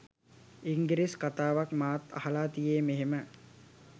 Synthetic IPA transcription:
iŋɡiɾiskat̪aːʋakmaːt̪ɐ̰hɐlaːt̪ijeːmeɦemə

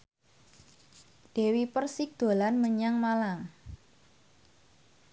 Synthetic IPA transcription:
d̥e̤wipərsɪk̚d̪̥o̤lanməɲaŋmalaŋ

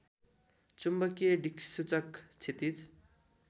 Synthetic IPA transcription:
t͡sumbʌkeɖiksut͡sʌkt͡sʰet̪it͡s

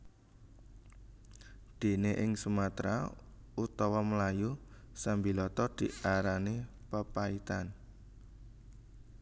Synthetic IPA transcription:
d̪̥e̤neʔɪŋsumat̪ɾa̰ | ut̪ɔwɔməlaju | sambilɔt̪ɔd̪̥iaɾani | pəpait̪an

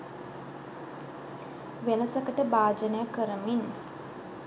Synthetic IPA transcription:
ʋenəsəkəʈəbaːd͡ʒənəjəkːəɾəmin

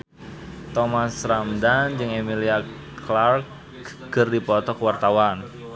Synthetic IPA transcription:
t̪ɔmasramdand͡ʒɨŋemilia | klark̚ | ɡ̥ərdipɔt̪ɔkwart̪awan

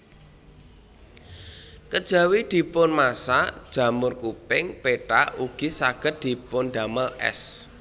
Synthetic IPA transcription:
kəd̥ʒ̥ä̤wid̪̥i̤pʊnmasad̥ʒ̥ä̤mʊrkupɪŋpeʈa̰uɡ̥i̤saɡ̥ə̤t̪̚d̪̥i̤pʊnd̥aməlɛ̰s

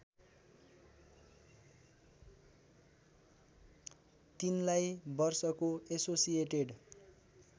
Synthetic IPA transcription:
t̪inlajbʌrsʌkoesosijeʈeɖ

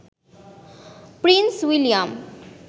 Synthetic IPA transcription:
pɾinswilijam

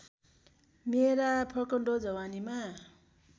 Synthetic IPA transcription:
meɾapʰʌkʌɳɖod͡zʌwanima

